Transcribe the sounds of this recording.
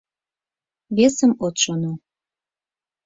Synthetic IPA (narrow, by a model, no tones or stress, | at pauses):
βesəmot̪ʃono